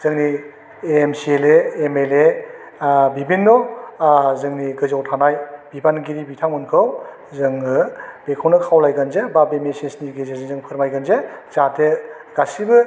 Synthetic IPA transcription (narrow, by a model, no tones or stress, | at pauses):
z̥ɯŋni | eːmsieleːmele | bibinːɔ | zɯŋniɡɯzawtʰanajb̥ibanɡiɾibitʰaŋɯnkʰɯw | zɯŋɯb̥ekʰawnɯkʰawlajɡanzebabemesesniɡezezɯŋzɯŋpʰɯɾmajɡanzezatʰe | ɡ̥asibɯ